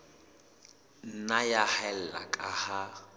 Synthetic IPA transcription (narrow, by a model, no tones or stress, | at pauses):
n̩najahɛl̩la̰kʼaha